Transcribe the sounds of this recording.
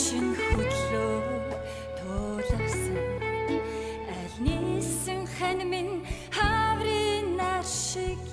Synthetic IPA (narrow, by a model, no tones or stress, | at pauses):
ʃiŋxɵt̪ɮoːw | t̪ʰʊːɮə̆wsəŋ | æɮʲnisɘ̆ŋχænʲmin | χawɾiːnarʃɪk